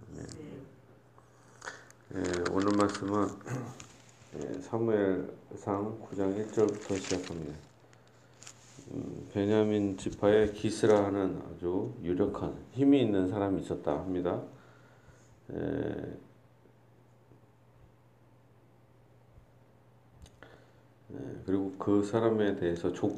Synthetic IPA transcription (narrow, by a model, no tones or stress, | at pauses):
jḛ | jeo̰nɯɭmaɭs͈ɯmɯn | ḛsʰamueɭsʰaŋkud͡ʑaŋiɭt͡ɕ͈ʌɭbutʰʌɕʰid͡ʑakʰamɲida | peɲamint͡ɕipʰaekisʰɯɾaɦanɯna̰d͡ʑujuɾjʌkʰançimiːnːɯnsʰaɾamiːs͈ʌt̚t͈a̰hamɲida | jḛ | nḛkɯɾiɡokɯsʰaɾame̞te̞ɦesʰʌt͡ɕo